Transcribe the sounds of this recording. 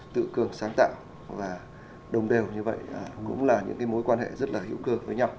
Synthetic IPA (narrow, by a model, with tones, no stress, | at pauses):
t̪ɨ̰˧˨kɨ˨˩əŋsaː˨˦ŋt̪a̰ː˧˨w | vaː˨˩ | ɗə˨˩wŋ͡mɗe˨˩wɲɨ˧və̰˧˨jə˨˩kʊ̰˧˥ŋ͡mlaː˨˩ɲɨ̰˧˥ŋkaː˨˦jmo˨˦jkwaː˧nɦḛ˧˨zt̚laː˨˩hḭ˧˥əwkɨ˧əvəː˨˦jɲa˧w